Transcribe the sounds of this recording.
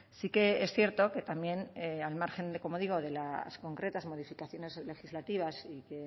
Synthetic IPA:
sike̞esθje̞ɾt̪o̞ke̞t̪ambje̞nealmaɾxe̞nko̞mo̞ðiɣ̞o̞ðe̞lasko̞ŋkɾe̞t̪azmo̞ð̞ifikaθjo̞ne̞zle̞xizlat̪iβ̞asike̞

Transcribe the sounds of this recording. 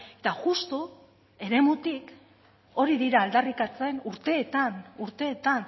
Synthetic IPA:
e̞t̪aʝust̪u | e̞ɾe̞mut̪ik | o̞ɾiðiɾaːld̪arikat͡se̞nuɾt̪e̞ːt̪anuɾt̪e̞ːt̪an

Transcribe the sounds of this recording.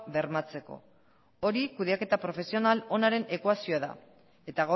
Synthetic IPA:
be̞ɾmat͡se̞ko̞̰ | o̞ɾikuðeake̞t̪apɾo̞fe̞sio̞nalo̞naɾe̞ne̞kwasioaða̰ | e̞t̪aɣa

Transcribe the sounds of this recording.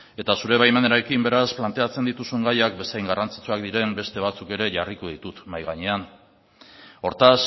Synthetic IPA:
e̞t̪asuɾe̞β̞ajmaneɾaɾekimbe̞ɾasplant̪e̞at͡send̪it̪usuŋɡajakbe̞sajŋɡarant͡si̥t͡suak̚d̪iɾe̞mbe̞st̪e̞β̞at͡suke̞ɾe̞ʝarikuðit̪ut̪majɣ̞aɲe̞an | o̞ɾt̪as

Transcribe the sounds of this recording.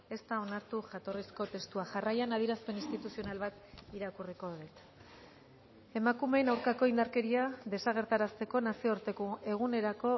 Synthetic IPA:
e̞st̪ao̞naɾt̪uʝat̪o̞risko̞t̪e̞st̪uaʝarajanað̞iɾaspe̞ninst̪it̪usio̞nalβat̪iɾakuriko̞ðet̪ | e̞makume̞nawɾkako̞ind̪aɾke̞ɾiaðe̞saɣ̞e̞ɾt̪aɾast̪e̞ko̞nasio̞ɾt̪ekoe̞ɣ̞une̞ɾako̞

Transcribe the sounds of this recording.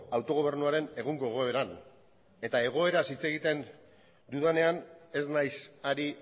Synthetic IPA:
awt̪o̞ɣ̞o̞β̞e̞ɾnuaɾe̞ne̞ɣ̞uŋɡo̞eɣ̞o̞eɾan | e̞t̪ae̞ɣ̞o̞e̞ɾasit͡se̞ɣ̞it̪e̞n | d̪uðane̞ane̞znajsaɾi

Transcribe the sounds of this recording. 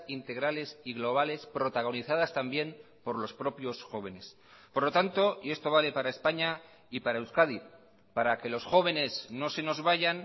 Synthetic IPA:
int̪e̞ɣ̞ɾale̞siɣ̞lo̞β̞ale̞spɾo̞t̪aɣ̞o̞niθað̞ast̪ambje̞m | po̞ɾlo̞spɾo̞pjo̞sxo̞β̞e̞ne̞s | poɾlo̞t̪ant̪o̞ie̞st̪o̞βale̞paɾae̞spaɲa | ipaɾaewskaði | paɾake̞lo̞sxo̞β̞e̞ne̞zno̞se̞no̞zβaʝan

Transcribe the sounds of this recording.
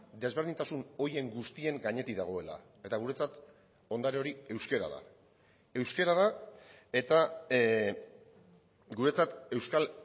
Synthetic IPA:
d̪e̞zβ̞eɾð̞int̪asuno̞je̞ŋɡust̪ie̞ŋɡaɲe̞t̪iðaɣ̞o̞e̞la̰ | e̞t̪aɣ̞uɾe̞t͡sat̪ | o̞nd̪aɾeo̞ɾie̞wske̞ɾa̰ða̰ | e̞wske̞ɾaðae̞t̪a | ɡuɾe̞t͡sat̪e̞wskal

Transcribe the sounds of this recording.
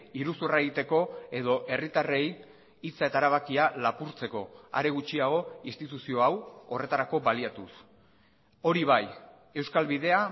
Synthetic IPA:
iɾusuraeɣit̪e̞ko̞e̞ðo̞ʔe̞rit̪are̞j | it͡sae̞t̪aɾaβ̞akialapuɾt͡se̞ko̞a̰ɾe̞ɣ̞ut͡ʃiaɣ̞o̞inst̪it̪usio̞awo̞re̞t̪aɾako̞βaliat̪us | o̞ɾiβ̞aj | e̞wskalβiðe̞a

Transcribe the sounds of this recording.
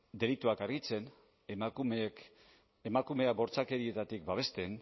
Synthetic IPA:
d̪e̞lit̪uakaɾɣit͡se̞n | mumek | emakume̞abo̞ɾt͡sake̞ɾie̞t̪at̪ik̚baβ̞e̞st̪e̞n

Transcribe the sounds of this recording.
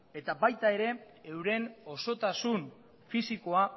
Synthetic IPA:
e̞t̪abajt̪ae̞ɾe̞ | ewɾe̞no̞so̞t̪asun | fisiko̞a

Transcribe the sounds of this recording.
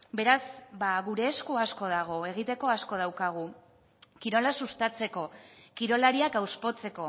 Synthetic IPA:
be̞ɾazbaɣuɾe̞ːskuasko̞ð̞aɣ̞o̞e̞ɣ̞it̪e̞ko̞asko̞ð̞awkaɣ̞u | kiɾo̞lasust̪at͡se̞ko̞kiɾo̞laɾiakawspo̞t͡se̞ko̞

